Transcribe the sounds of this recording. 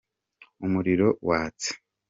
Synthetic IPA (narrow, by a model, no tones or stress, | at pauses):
umuɾiɾo̞waːt͡se̥